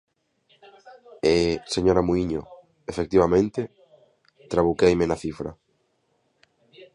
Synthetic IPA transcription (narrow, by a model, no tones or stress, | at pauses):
eseɲoɾamuiɲo̰ | efek̚t̪iβamẽnt̪ɪ | t̪ɾaβukejmɪnaθifɾɐ̰